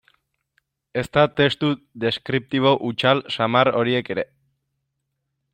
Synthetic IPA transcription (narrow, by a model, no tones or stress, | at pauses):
e̞st̪at̪e̞st̪u | d̪e̞skɾip̚t̪iβ̞o̞ʔut͡ʃalsamaro̞ɾie̞ke̞ɾe̞